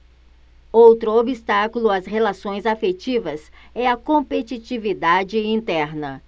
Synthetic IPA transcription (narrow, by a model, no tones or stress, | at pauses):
owt̪ɾʊobist̪akulʊɐshelasõj̃zafet͡ʃivɐsɛɐkõpet͡ʃit͡ʃivid̪ad͡ʒɪĩnt̪ɛɾnɐ